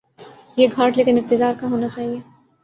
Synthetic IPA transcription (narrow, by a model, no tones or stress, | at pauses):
jeɡʱaːʈleːkɪnɪq̚t̪ɪd̪aːɾkaɦoːnat͡ʃaːɦieː